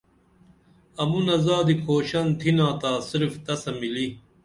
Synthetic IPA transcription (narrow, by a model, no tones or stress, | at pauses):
ɐmunɐzaːd̪ikʰoːɕɐnt̪ʰinaːt̪aːsiɾft̪ɐsɐmili